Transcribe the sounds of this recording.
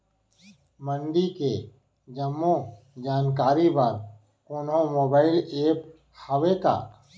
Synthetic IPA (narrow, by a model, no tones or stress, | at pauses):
mə̃ɳɖike | d͡ʒəmːõ | d͡ʒaːnkaːɾibɐɾ | ʊnõmoːbaːɪleːp | hɐʋeka̰ː